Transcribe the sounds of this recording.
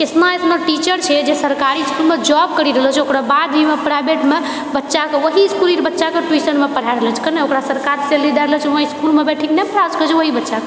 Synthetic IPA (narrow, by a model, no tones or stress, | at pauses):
kesmaesmeʈit͡ʃəɾt͡ʃʰɛd͡ʒesəɾkaɾiskulmed͡ʒɔb̚kəɾiɾəɦlət͡ʃʰokɾabad̪bʱimepɾajbeʈme | bətːʃakeʋəɦiskuliɾbətːʃakeʈuisənmepəɽ̤aɾələt͡ʃʰi̥kəneokɾasəɾkaɾselːid̪aɾlət͡ʃʰʋõiskulmebeʈʰiknɛpəɽaskət͡ʃʰeʋəɦibətːʃake